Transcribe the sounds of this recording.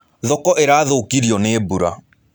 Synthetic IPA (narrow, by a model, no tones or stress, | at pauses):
ðɔkɔʔeɾaːðoːkiɾiɔnebuɾa